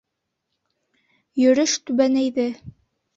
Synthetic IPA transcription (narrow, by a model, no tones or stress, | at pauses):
jɵ̆ɾɵʃt̪ʉβænæjðɘ